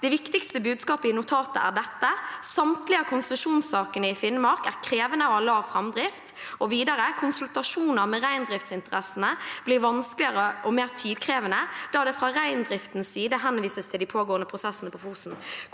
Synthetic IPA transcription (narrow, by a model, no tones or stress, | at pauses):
d̪̥ɛʋɪkt̪ɪkst̪əbʉːd̪skɑːpəɪnʊt̪ʰɑːt̪ə̰æ̰ʁɖ̪ɛt̪ːəsɑmt̪lɪəkʰʊnst̪ʉʂuːnsɑːkənəɪfɪnmɑɾkæʁkʰɾeːʋənəɔɑlɑːʋfɾɑmd̪ɾɪft̪ɔʋiːd̪ɑɾəkʰʊnsʉlt̪ɑʂuːnəʁmɛʁæɪnd̪ɾɪft̪sɪnt̪əʁɛsənəb̥lɪɾʋɑnsklɪəɾəʔɔmeːʁt̪ʰiːd̪kʰʁeːʋənəd̪̥ɑːd̪ɛfɾɑːʁæɪnd̪ɾɪft̪n̩sːiːd̪əɦɛnʋiːsəst̪ʰɪld̪ɪpʰoːɡoːənəpʰɾʊsɛsːənəpʰɔfuːsn̩